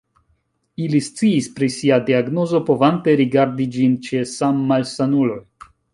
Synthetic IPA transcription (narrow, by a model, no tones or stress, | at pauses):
ilist͡siːspɾisiadiaɡno̞zo̞po̞vante̞ɾiɡaɾdid͡ʒint͡ʃe̞samːalsanulo̞j